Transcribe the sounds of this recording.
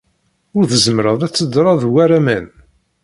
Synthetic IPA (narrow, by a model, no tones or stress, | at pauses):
ʊɾθəzəmɾəðˤæt͡sːəd̪ɾˤɑðˤwæɾæmæn